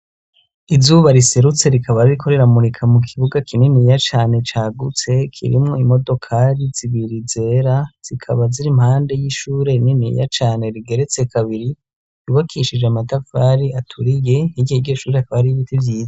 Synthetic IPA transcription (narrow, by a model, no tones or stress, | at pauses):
izuβaɾiseɾut͡se̞ɾikʰaβaɾiɾikʰo̞ɾe̞ɾamuɾikʰamukʰiβuɡakʰininijat͡ʃaːne̞t͡ʃaːɡut͡se̞kʰḭɾḭmŋo̞imo̞do̞kʰaɾiz̥iβiɾize̞ɾaz̥ikʰa̰βaziɾimhaːnde̞jiʃuːɾe̞ininija̰t͡ʃaːne̞ɾiɡe̞ɾe̞t͡se̞kʰaβiɾi | juβakʰiʃid͡ʒeamatafa̰ɾiatʰuɾije̞niɡieɡeʃuːɾeakaβaɾiiβitivjiːza